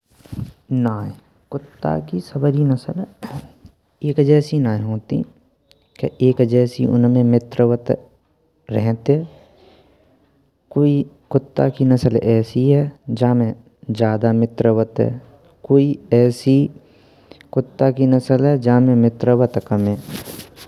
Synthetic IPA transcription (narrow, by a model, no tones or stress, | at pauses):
naː | kʊt̪ːa̰kisəbəɾinəsəl | eːkd͡ʒɛːsinaːeɦoːt̪ḭ | kḛʔeːkd͡ʒɛːsḭʔʊ̰nmẽmɪt̪ɾəwət̪ | ɾɛɦt̪ɦɛː | koːikʊt̪ːa̰kinɐsəlɛːsiɦɛːd͡ʒaːmẽ | d͡ʒjaːd̪amɪt̪ɾəwət̪ɦɛ̰ː | koːiɛːsi | kʊt̪ːakinəsəlɦɛd͡ʒaːmẽmɪt̪ɾəwət̪kəmẽː